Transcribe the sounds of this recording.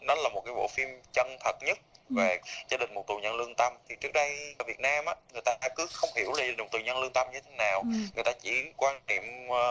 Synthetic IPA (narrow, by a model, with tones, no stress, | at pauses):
nɔ˨˦laː˨˩mo˨˩t̚kaː˨˦jɓo̰˧˨fi˧mt͡ɕə˧nt̪ʰə˨˩t̚ɲə˦˥t̚ve˨˩zaː˧ɗï˨˩ŋ̟mo˨˩t̚t̪ɲə˧nlɨ˧əŋt̪ə˧mt̪ʰi˨˩t͡ɕɨ˦˥ək̚ɗə˧jvi˨˩ət̚naː˧mʔaː˧˦ŋɨ˨˩əjt̪aː˧kɨ˨˦xə˧wŋ͡mhi˧˩əwlaː˨˩˨t̪ɨ˨˩ɲə˧nlɨ˧ənt̪ə˧mɲɨ˧t̪ʰe˨˦naː˨˩wŋɨ˨˩əjt̪aː˧t͡ɕi˧˩kwaː˧nnḭ˧˨əm